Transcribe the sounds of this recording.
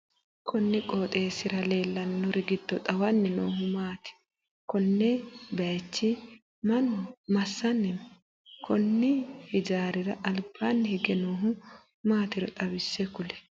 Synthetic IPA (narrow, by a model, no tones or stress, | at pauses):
kʰɔnːɪkʼo̞ːt̪ʼeːsɪɾɐleːlːɐnːɔɾɪɡɪd̪̥ːɔt̪ʼɐwɐnːɛno̰ːɦʊmaːt̪ɪ̥ | kɔnːɛbɐt͡ʃːɪ | mɐnʊmɐsːɐnːɛ | kʰɔnːɪhɪd͡ʒaːɾɪɾɐʔɐlb̥ːaːnːɛhɛɡɛnoːɦʊ | maːt̪ɪɾɔt̪ʼɐbɪsːɛkʊlɛ̥